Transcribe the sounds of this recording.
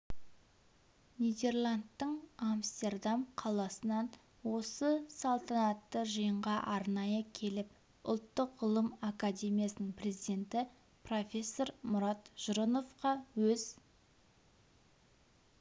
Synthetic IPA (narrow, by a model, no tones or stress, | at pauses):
nijd̪e̞rlˠand̪ːəɴamst̪e̞rd̪amqʰɑlˠɑsənɑn | wo̞səsɑlˠt̪ʰɑnɑt̪ːəʒəjəɴʁɑʔɑɾnɑjəkʲʰe̞lɪp̚ | ʊ̰lˠt̪ːəqʊlˠəmakad̪ʲe̞mʲijasənəɴpre̞zid̪e̞nt̪ɪ | pro̞fʲe̞sːo̞ɾmʊɾɑt̪ʒ̥ʊɾono̞fqɑwɵz̥